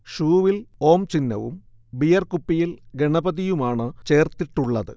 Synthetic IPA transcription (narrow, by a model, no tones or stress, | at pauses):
ʂuːʋilo̞ːmt͡ɕinːɐ̰ʋṵm | bijɐrkupːijilɡe̞ɳɐbɐðijumaːɳɨt͡ɕe̞ːrt̪iʈːuɭːɐðɨ̰